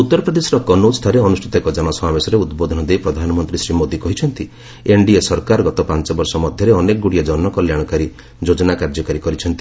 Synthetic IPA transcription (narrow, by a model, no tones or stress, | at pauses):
ut̪ːɔɾɔpɾɔd̪esɾɔkɔnust̪ʰaɾeɔnusʈʰit̪ɔkɔd͡ʒaɽ̃ɔsɔmabesɔɾeud̪bod̪ʱɔnɔd̪ejpɾɔd̪ʱanɔmɔnt̪ɾisɾimod̪ikɔɦit͡ʃʰɔnt̪i | eɳɖiesɔɾkaɾɔɡɔt̪ɔpant͡ʃɔbɔɾsɔmɔd̪ʱjɔɾeɔnekɔɡuɽiad͡ʒɔnːɔkɔljaɽ̃ɔkaɾi | d͡ʒod͡ʒɔnakaɾd͡ʒɔkaɾikɔɾit͡ʃʰɔnt̪i